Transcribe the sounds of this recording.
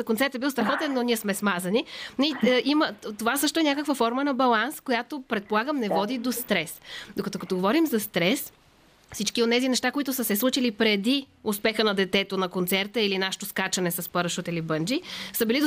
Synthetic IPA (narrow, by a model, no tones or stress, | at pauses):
konsɛɾt̪ɛbilˠst̪ɾɐxɔt̪ɛnːoniɛsmɛsmazɐniniimət̪ovasɤʃt̪oɛnʲakəkvəfɔɾmənɐbɐlˠanskojat̪opɾɛt̪̚polˠaɡəmnɛvɔd̪id̪ost̪ɾɛsd̪okɐt̪okɐt̪oɡovɔɾimzɐst̪ɾɛs | fsit͡ʃkionɛzinɛʃt̪akoit̪ʊsəsɛslˠut͡ʃilipɾɛd̪iʊspɛxənɐd̪ɛt̪ɛt̪onɐkont̪sɛɾt̪əilinaʃo̥t̪oskat͡ʃɐnɛsɐspəɾəʃut̪əilibɤnd͡ʒisəbilid̪